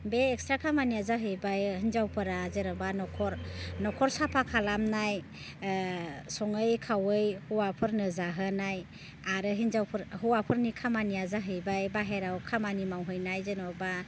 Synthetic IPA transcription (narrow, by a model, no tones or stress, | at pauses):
beːk̚stɾakʰamaniazaɦɯjbajɦinzawpʰɯɾazeɾɔbanɔkʰɔɾnɔkʰɔɾsapʰakʰalamnaj | sɔŋɯjkʰawɯjhuwapʰɯɾnɯzaɦɯnaj | aɾɯɦinzawpʰɯɾɦuwapʰɯɾnikʰamanijazaɦɯjbajbaɦeɾawkʰamanimawɦɯjnajzenɔba